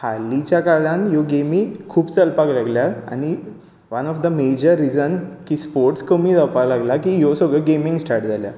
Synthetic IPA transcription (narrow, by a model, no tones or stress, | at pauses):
halːit͡ɕjakaɭãnjoɡemĩkʰuːpt͡səlpaklaɡljaa̰ɽ̃i | ʋənɔfd̪əmed͡ʑəɾːid͡zənkiːspoɾʈskəmiːd͡zəpalaɡlakijosəɡəɡemĩŋɡsʈʰaɾʈd͡zalja̰